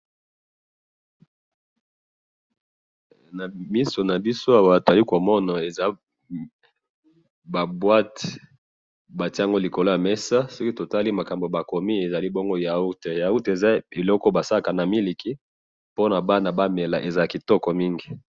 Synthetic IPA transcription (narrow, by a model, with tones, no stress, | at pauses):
na˨mi˦so˨na˨bi˦so˦a˨wa˦˨to˨za˨li˦ko˨mɔ˦na˨e˨za˦ | ba˨bwa˦t | ba˨ti˦a˨ŋɡo˦li˨ko˨lo˦ja˨mɛ˦sa˦so˦ki˦to˨ta˦li˦ma˨ka˨mbo˨ba˨ko˨mi˦e˨za˨li˦bo˦ŋɡo˦ja˨u˦te˨ja˨u˦te˨za˦e˨lɔ˦kɔ˦ba˨sa˦la˨ka˨na˨mi˦li˨ki˦ | po˦na˨ba˦na˨ba˦me˨la˨ʔe˨za˨ki˨tɔ˦kɔ˨mi˦ŋɡi˨